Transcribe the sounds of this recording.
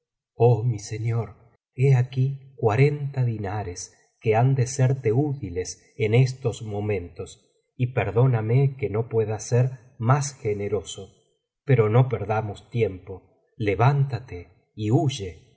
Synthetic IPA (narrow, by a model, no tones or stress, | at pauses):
omiseɲoɾ | eakikwaɾe̞nt̪aðinaɾes | keand̪eseɾt̪eut̪iles | enest̪o̞smo̞mẽ̞nt̪o̞s | ipeɾðo̞namekeno̞pweðaseɾ | masxeneɾo̞so | peɾo̞no̞peɾðamost̪jempo̞ | leβant̪at̪e | iuʒe